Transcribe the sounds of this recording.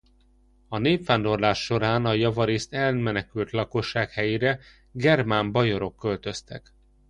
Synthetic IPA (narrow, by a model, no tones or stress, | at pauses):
ɒneːpfaːnd̪o̞rlaːʃːo̞ɾaːnɒjɒvɒɾeːst̪ɛlmɛnɛkylt̪lɒko̞ʃːaːkhɛjeːɾɛ | ɡɛrmambɒjo̞ɾo̞kːølt̪ø̞st̪ɛk